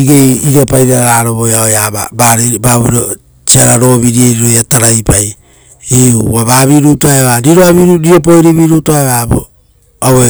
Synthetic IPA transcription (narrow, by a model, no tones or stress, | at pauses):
iɡejiɡapajɾaaɾaːɾoβojaojaa̰baɾebaβuɾo | t͡ʃiaɾaɾo̞βiɾieɾiɾojataɾajpaj | iuaβaβiɾutoaeβaɾiɾoaβiɾuɾiop̬o̞jɾiβiɾutoaeβabo̰ | awe